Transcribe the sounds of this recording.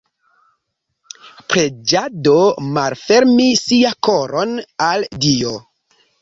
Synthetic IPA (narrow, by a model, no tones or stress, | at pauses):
pɾe̞d͡ʒadomalfe̞ɾmisiako̞ɾonaldio̞